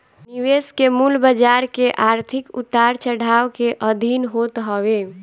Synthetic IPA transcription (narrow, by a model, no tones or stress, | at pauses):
niweskemulbəd͡ʒaɾkeʔaɾt̪ʰikut̪aɾt͡ʃəɽ̤awkeʔəd̪ʱinɦot̪ɦəwe